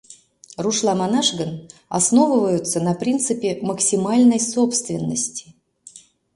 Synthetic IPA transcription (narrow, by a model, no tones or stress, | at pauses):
ruʂlˠamanaʂɡəna̰sno̞vɨvəjʊt̪sənɐpɾʲint̪sɨpʲɪməksʲimalʲnəjso̞pst̪vʲɪnːəsʲtʲɪ̥